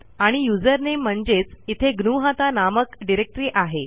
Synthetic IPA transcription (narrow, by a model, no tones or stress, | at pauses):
aɽ̃ijud͡zəɾnem̤ːəɳd͡zet͡sit̪ʰeɡnuɦat̪anaməkɖiɾek̚ʈɾiːʔaɦe